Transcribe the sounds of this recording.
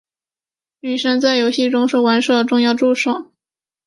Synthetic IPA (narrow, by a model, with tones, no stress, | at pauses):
ny˨˩ʂə˥nt͡sa˥˩ɪjo˧˥ʊɕi˥˩ʈ͡ʂʊ˥ŋʂɻ̩˥˩wa˧˥nʂɤ˥˩d̪ə˩ʈ͡ʂʊ˥˧ŋjɑ˥˧ʊʈ͡ʂu˥˧ʂo˨˩˦ʊ